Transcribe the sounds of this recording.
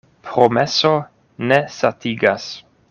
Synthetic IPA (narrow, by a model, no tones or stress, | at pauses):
pɾomeso | nesatiɡas